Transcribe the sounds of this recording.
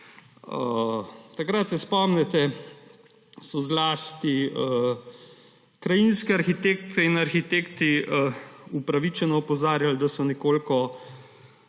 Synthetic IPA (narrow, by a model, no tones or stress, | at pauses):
ət̪akɾat̪sɛspɔmnɛt̪ɛ | sɔzlaːst̪i | kɾajinskɛaɾxit̪ekt̪ɛinaɾxit̪ekt̪i | upɾaʋit͡ʃɛnɔːpɔzaːɾjald̪asɔnɛkoːlkɔ